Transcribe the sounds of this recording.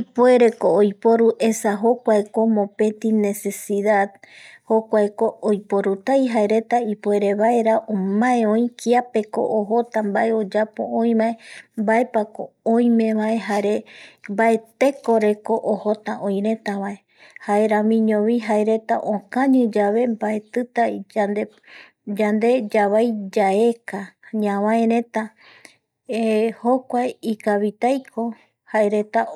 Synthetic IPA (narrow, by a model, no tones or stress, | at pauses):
ipoe̞ɾe̞koːjpo̞ɾuʔe̞saɦokʷaeko̞mõ̞pẽ̞t̪ine̞se̞siðaðhokʷaekoːjpo̞ɾut̪ajɦaeɾe̞t̪aipoe̞ɾe̞βaeɾaʔõmãẽõj̃kʰiape̞ko̰ʔoɦot̪ãmbae̞o̞d͡ʒapo̞̰õj̃maembae̞pako | õj̃mẽ̞βae̞ɦaɾe̞mbae̞t̪e̞ko̞ɾe̞koʔohot̪ãʔõj̃ɾẽ̞t̪aβae̞ | haeɾãmĩɲõβiɦaeɾe̞t̪a̰ʔõkãɲɨ̃d͡ʒaβe̞mbaet̪ɨt̪ad̪e | d͡ʒand̪e̞d͡ʒaβajd͡ʒae̞kaɲãwãẽɾẽ̞t̪a | ehokʷaeikaβit̪ajkʰo̞ | haeɾe̞t̪a